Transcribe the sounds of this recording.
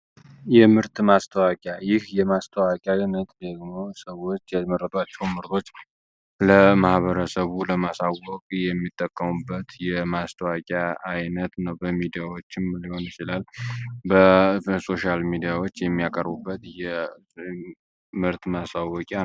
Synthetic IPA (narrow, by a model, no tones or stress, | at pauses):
jɛmɨɾt̪mast̪ʰəwakʼjajɪhjɛmast̪ʰəwakʲʼaɪnət̪ʼd̪əɡmo̞səwot͡ʃːjaməɾːət̪ʼwat͡ʃːɛwmɨɾt̪ʰo̞t͡ʃːnw | ləmahβəɾəsəβuləmasawɔkʼjɛmːit̪ʼːəkʼːəmubːət̪jɛmast̪ʰəwakʼaːjnət̪nəwbəmid̪ijawot͡ʃːɪmliho̞njt͡ʃɪlalbəso̞ʃalmid̪ijawot͡ʃːjɛmːijakʼəɾbubːət̪jɛ | mɨɾt̪masawɔkʼa